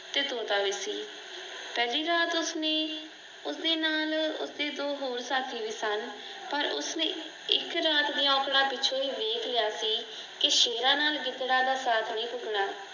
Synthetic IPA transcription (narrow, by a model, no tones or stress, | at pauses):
t̪eːt̪oːd̪aːʋiːsiː | pɛːliːɾaːt̪ʊsneː | ʊsd̪eːnaːlʊ̰sd̪eːd̪oːɦoːɾsaːk̪ʰiːʋiːsən | pəɾʊ̰snẽː | ɪ̰kɾaːt̪d̪iːɔ̃ːkɽãːpɪːt͡ʃʰoːiːʋeːkʰlɪjaːsiː | kɪʃeːɾãːnaːlɡɪt̪ɽãːd̪aːsaːt̪ʰnĩːpʊɡɽaː